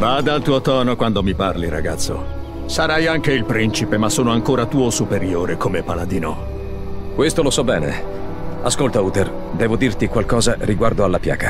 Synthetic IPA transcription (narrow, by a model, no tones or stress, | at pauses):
vaːd̪alt̪uːot̪ɔːnokwand̪omiparliɾa̰ɡat̪sːo̰ | saɾajaŋkeilpɾint͡ʃipemasːoːnoaŋkoːɾat̪uːosupeɾjoːɾekomepalad̪iːnɔ̰ | kwest̪olosɔbːɛːnḛ | askolt̪auːt̪er | d̪ɛːvod̪irt̪ikwalkɔːzarʔiɡward̪oalːapja̰ːɡa